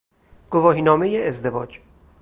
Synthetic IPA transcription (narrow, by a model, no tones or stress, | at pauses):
ɡ̥ovɒːɦiːnɒːmejeːzd̪e̞vɒːd͡ʒ